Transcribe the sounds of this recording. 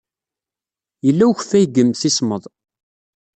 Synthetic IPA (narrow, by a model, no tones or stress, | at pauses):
jəlːæwçfæjɡəmθisməðˤ